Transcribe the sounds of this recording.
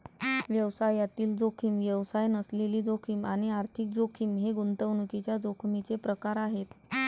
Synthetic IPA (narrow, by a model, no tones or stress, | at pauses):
ʋjəʋsajat̪iːld͡zokʰiːmʋjəʋsajnəsleliːd͡zokʰiːmaɽ̃iaɾt̪ʰik̚d͡zokʰiːmɦeɡunt̪əʋnukit͡ɕjad͡zokʰmit͡sepɾəkaɾaɦet̪